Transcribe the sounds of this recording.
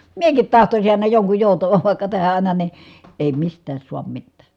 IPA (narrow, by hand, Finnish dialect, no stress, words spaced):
miekit tɑhtosin ɑˑi̯nɑ joŋkuj joˑutɑʋɑʋ ʋɑˑi̯kːɑ tæhæ ɑˑinɑ ni eˑi mistˑæːs suɑm mitːæː